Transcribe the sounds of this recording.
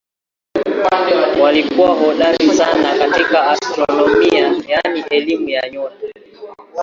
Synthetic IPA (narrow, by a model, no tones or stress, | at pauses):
walikuwahɔɗaɾisanakatikaastɾɔnɔmmiajaniʔɛlimujaɲɔɾa